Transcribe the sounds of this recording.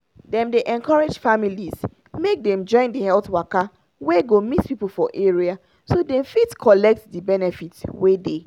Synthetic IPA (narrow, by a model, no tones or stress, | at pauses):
dɛ̃mdeʔɛ̃nkɔɹed͡ʒfamiliz | mek̚dɛ̃md͡ʒɔ̃ɪ̃ndihɛlθwaka | wɛɡomitpipol̩fɔʔeɹia | sodɛ̃mfitkʰɔlɛk̚tdibɛnɛfitwede